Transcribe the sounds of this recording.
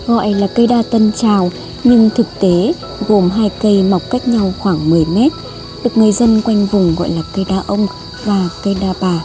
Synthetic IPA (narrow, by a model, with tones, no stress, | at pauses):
ɣɔ̰˧˨jlaː˨˩kə˧jɗaː˧t̪ə˧nt͡ɕaː˨˩w | ɲɨ˧ŋt̪ʰɨ˨˩k̚t̪e˨˦ | ɣo˨˩mɦaː˧jkə˧jma˨˩wk͡p̚ka˦˥jk̚ɲa˧wxwaː˧˩ŋmɨ˨˩əjmɛ˦˥t̚ | ɗɨ˨˩ək̚ŋɨ˨˩əjzə˧nkwa˧jŋ̟vʊ˨˩ŋ͡mɣɔ̰˧˨jlaː˨˩kə˧jɗaː˧ʔə˧wŋ͡m | vaː˨˩kə˧jɗaː˧ɓaː˨˩